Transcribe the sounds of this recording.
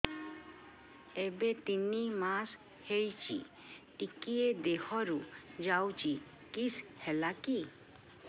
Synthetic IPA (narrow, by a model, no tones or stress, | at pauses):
ebet̪inimas | hejt͡ʃḭ | ʈikied̪ehɔɾud͡ʒawt͡ʃi | kishɛlaki